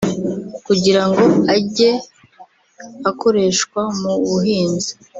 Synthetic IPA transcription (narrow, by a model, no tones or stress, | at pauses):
kuɟiɾaŋɡo̞aɟe̞ | akʰo̞ɾe̞ːʃkwamuβuɦiːnzi̥